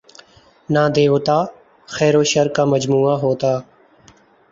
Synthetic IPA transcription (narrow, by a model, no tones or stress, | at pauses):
naːd̪eːoːt̪aː | xɛːɾoːʃəɾkaːməd͡ʒmuːaːɦoːt̪aː